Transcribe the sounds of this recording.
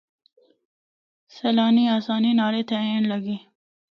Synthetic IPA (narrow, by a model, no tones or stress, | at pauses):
selɑːniaːsɑːninɑːɾet̪eeːnlɐɡi